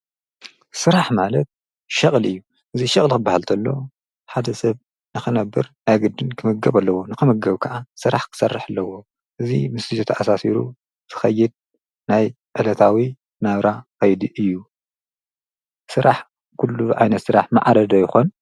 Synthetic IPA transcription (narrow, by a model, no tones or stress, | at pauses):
sɨɾaħmalɐt̪̚ | ʃɐχʼlɨjːu | ʔɨziʃɐχʼlkɨbːahalt̪ʰɐlːo̞̰ | ħad̪ɐsɐβ | nɨxɨnɐbːɨɾnaɡɨd̪ːɨnkʰɨmɨɡɐβalːɐwo̞nɨkɨmɐɡɐβkʰɐʔasɨɾaħkʰɨ̥sɐrːaħalːɐwo̞ | ʔɨzimɨsɨzɨt̪ʰaʔasasiɾṵ | zʰɨ̥xɐjːɪd̪̚ | naj | ʔɨlɐt̪ʰawi | naβɾaxɐjd̪iʔɨjːu | sɨɾʔaħ | kʰulːuʕa̰jnɐt̪sɨɾa̰ħma̰ʕaɾɐd̪ɐjɪxon